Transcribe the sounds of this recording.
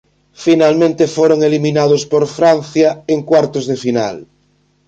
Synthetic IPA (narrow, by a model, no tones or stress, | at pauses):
finalmẽnt̪efoɾoŋelimĩnaðospoɾfɾanθjaeŋkwaɾt̪ozðefina̰l